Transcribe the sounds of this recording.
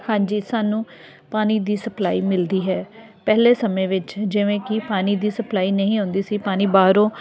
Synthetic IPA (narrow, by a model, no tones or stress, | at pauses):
hãːɲd͡ʒiːsaːnũː | paːniːd̪iːsəplaːiːmɪld̪iːɦɛːpɛɦleːsəmẽːʋɪt͡ʃd͡ʒɪʋẽːkɪpaːniːd̪iːsəplaːiːnəɦĩːɦõːnd̪iːsiːpaːnĩːbaːɾõː